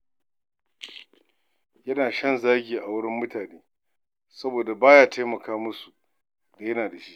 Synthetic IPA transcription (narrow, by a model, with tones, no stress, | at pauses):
jɐ˦naː˨ʃɐ˦nzaː˦ɡʲiː˨ʔa˨wʊ˦ɽɪ˦mːʊ˦tʰaː˨neː˦ | sɐ˦boː˨da˨baː˦jaː˦tʰa˦jmɐ˨kaː˦mʊ˦su˨ | da˨jɐ˦naː˨da˨ʃi˦ʔ